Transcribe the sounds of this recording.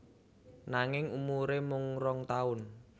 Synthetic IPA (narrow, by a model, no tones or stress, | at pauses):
naŋɪŋumuɾemʊŋrɔŋt̪aʊn